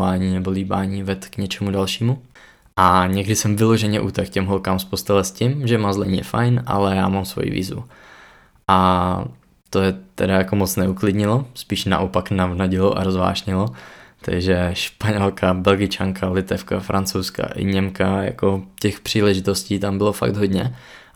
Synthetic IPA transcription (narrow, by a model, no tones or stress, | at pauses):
aːɲiːnɛboliːbaːɲiːvɛt̪kɲɛt͡ʃɛmudalʃiːmu | ʔaɲɛɡdɪsɛmvɪloʒɛɲɛʔuːt̪ɛkcɛmɦolkaːmspost̪ɛlɛscɪmʒɛmazlɛɲijɛ̰fa̰jnʔa̰lɛja̰ːmamsvo̰jḭvḭːzvṵ | ʔa | t̪ojɛt̪ɛdajakomot͡snɛuklɪdɲɪlospiːʃna̰ʔopaknavnaɟɪlo̰ʔa̰ɾozva̰ːʃɲɪlot̪ʰa̰ɡʒɛʃpaɲɛlkabɛlɡɪt͡ʃaŋkʰalɪt̪ɛfka̰fɾʔant͡sowska̰ʔɪ̰ɲɛmkaja̰kocɛxpr̝̥iːlɛʒɪt̪osciːt̪ambɪlofa̰ɡd̪ɦodɲɛ